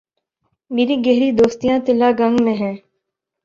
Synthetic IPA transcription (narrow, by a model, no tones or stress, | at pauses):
meːɾiɡɛɦɾid̪oːst̪ijãt̪ɪlːaɡɐ̃ŋɡmẽɦɛ̃ː